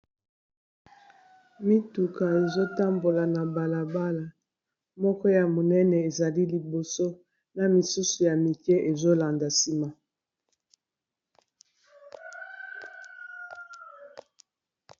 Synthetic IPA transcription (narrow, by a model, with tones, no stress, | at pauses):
mi˦tu˨ka˨e˨zo˦ta˦mbo˨la˨na˨ba˨la˨ba˦la˨ | mɔ˦kɔ˦ja˨mo˨nɛ˦nɛ˨e˨za˨li˦li˨bo˨so˦ | na˨mi˨su˦su˨ja˨mi˨kɛ˦ʔe˨zo˦la˨nda˨si˦ma˦